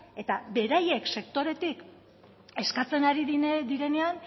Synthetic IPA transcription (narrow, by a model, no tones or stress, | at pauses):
e̞t̪abe̞ɾaje̞kse̞kt̪o̞ɾe̞t̪ik | e̞skat͡se̞naɾiðinðiɾe̞ne̞an